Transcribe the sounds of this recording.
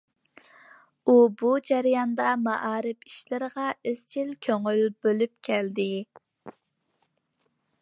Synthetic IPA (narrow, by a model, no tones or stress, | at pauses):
ubud͡ʒɛɾijɑnd̪ɑmɑʔɑːɾɪpi̥ʃlɪɾəʁɑʔez̥t͡ʃʰilkʲʰøŋylbølyp̚kʲʰɛld̪ɪ